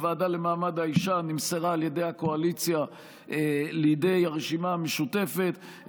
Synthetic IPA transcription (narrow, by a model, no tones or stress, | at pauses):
vaːdale̞maːmad̪haiʃanimseʁaːlje̞dejhako̞alit͡sja | elijde̞jaʁeʃimaameʃute̞fe̞t̪